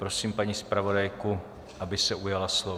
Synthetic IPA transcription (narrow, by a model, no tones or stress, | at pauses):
pɾosiːmpaɲiːspɾavo̞dajku | ʔabɪsɛʔujalaslo